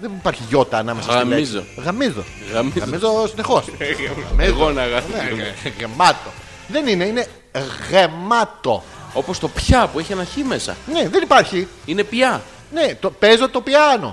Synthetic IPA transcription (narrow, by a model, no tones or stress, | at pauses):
ðenipɐɾçiʝo̞t̪ɐːnɐmesɐsmizo̰ɣɐmizo̞̰ | ɣɐmizɣɐzmizosine̞xo̞smeɣonɐɣɐneɣemɐt̪o̞ | ðe̞nine̞ine̞ | ɣemɐt̪o̞̰ | o̞post̪o̞pçɐpueçiɐnɐçime̞sɐ̰neðenipɐɾçi | ine̞pjɐ | ne̞t̪opezo̞t̪o̞piɐno̞̰